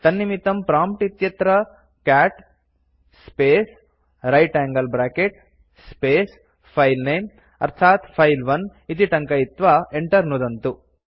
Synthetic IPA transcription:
t̪ɐnːimit̪ɐmpɾaːmp̚ʈit̪jɐt̪ɾɐ | kaːʈ | speːs | ɾɐjʈaːŋɡɐlbɾaːkeʈ | speːs | pʰɐjlnejm | ɐ̰ɾt̪ʰaːt̪pʰɐjlʋɐnit̪iʈɐŋkɐit̪ʋaːeɳʈɐɾnud̪ɐnt̪u

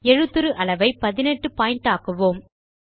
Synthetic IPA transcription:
ɛɻɯt̪ːɯɾɯʔɐɭɐʋɐɪpɐðɪnɛʈrɯpaːjɪɳʈaːkɯʋoːm

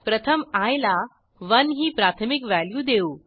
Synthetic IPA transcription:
pɾət̪ʰəmajla | ʋənɦiːpɾat̪ʰəmikʋæljuːd̪euː

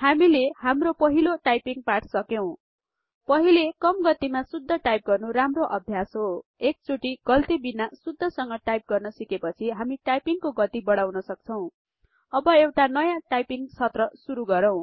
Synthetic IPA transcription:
hamilehamropʌɦiloʈajpiŋɡpaʈʰsʌkjow̃ | pʌɦilekʌmɡʌt̪imasud̪ʱːʌʈajp̚ɡʌrnuɾamroʔʌbʱjasɦoek̚t͡sʰuʈiɡ̥ʌlt̪ibinasud̪ʱːʌsʌŋɡʌʈajp̚ɡʌrnʌsikepʌt͡sʰiɦamiʈajpiŋkoɡʌt̪ibʌɽawnʌsʌk̚t͡sʰʌw̃ | ʌbʌewʈanʌjãʈajpiŋt͡sʰʌt̪rʌsuɾuɡʌɾʌw̃

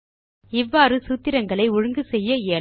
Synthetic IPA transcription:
ɪʋːaːɾɯsuːt̪ːɪɾɐŋɡɐɭɐɪʊɻɯŋɡɯsɛjːɐeː

